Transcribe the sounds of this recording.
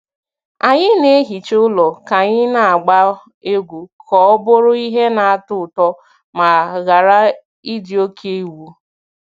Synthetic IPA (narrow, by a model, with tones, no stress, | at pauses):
a˨ɲɪ˦ne˦e˦ɦi˨t͡ʃʊ˦lɔ˨ka˨ɲɪ˦na˨a˨ɡ͡ba˦ | e˦ɡʷu˨kʰɔ˨˦ɔ˦bʊ˦ɾʊ˦i˦ɦe˦na˨a˨tʊ˦˨tɔ˦ | ma˨ɣa˨ɾa˦ | i˦di˨o˦kʰe˦wu˦